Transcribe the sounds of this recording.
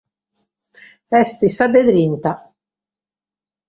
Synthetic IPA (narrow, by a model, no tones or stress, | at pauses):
ɛst̪isad̪eðɾint̪a